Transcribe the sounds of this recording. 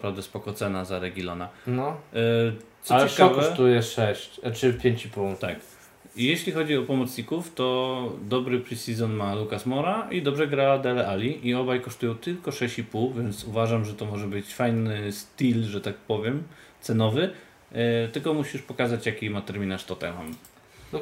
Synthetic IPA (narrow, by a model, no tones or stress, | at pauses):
pɾavd̪ɛspɔkɔt̪sɛnazaɾɛɡʲilɔnanɔ | t̪sɔat͡ɕɛkavkɔɛʂt̪ujɛʂɛɕt͡ɕt͡ʂɘpʲjeɲt͡ɕiput̪a̰k | jeɕlʲixɔd͡ʑiɔpɔmɔt̪sɲikuft̪ɔd̪ɔbɾɘpɾisʲizɔnmalukasmɔɾaid̪ɔbʐɛɡɾad̪ɛlɛʔalʲiʔiɔbajkɔʂt̪ujɔ̃w̃t̪ɘlkɔʂɛɕt͡ɕipuwvʲjɛnt̪suvaʐamʐɛt̪ɔmɔʐɛbɘt͡ɕfajnɘst̪ilʐɛt̪akpɔvʲjɛmt̪sɛnɔvɘ | t̪ɘlkɔmuɕiʂpɔkazat͡ɕjakʲimat̪ɛɾmʲinaʂt̪ɔt̪a̰jma̰m